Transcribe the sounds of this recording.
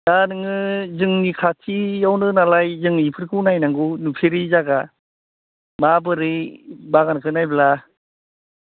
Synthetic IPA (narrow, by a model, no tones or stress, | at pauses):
danɯŋɯzɯŋnikʰatʰijawnɯnalajzɯŋipʰɯɾkʰɯwnajnaŋɡunupʰeɾizaɡa | mabɯɾɯjbaɡankʰɯnajbla